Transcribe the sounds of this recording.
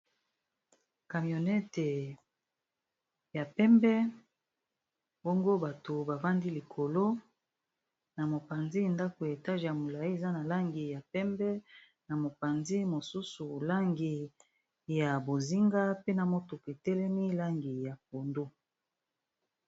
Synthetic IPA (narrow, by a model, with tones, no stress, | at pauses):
ka˨mjo˨nɛ˦te˨ | ja˨pɛ˦mbɛ˦ | bo˦ŋɡo˦ba˨to˨ba˨va˦ndi˦li˨kʰo˨lo˦ | na˨mo˨pa˨nzi˦˨nda˦ko˨ja˨ta˦ʒja˨mo˨la˨i˦e˨za˦na˨la˦ŋɡi˨ja˨pɛ˦mbɛ˦ | na˨mo˨pa˨nzi˦mo˨su˦su˨la˦ŋɡi˨ | ja˨bo˨zi˦ŋɡa˦pe˦na˨mo˦to˨ke˨tɛ˦lɛ˦mi˦la˦ŋɡi˨ja˨p̚o˨ndo˦